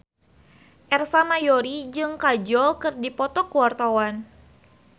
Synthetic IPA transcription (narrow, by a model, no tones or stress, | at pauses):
ʔɛrsamajoɾid͡ʒɨŋkad͡ʒɔlkɨrdipɔt̪ɔkuwart̪awan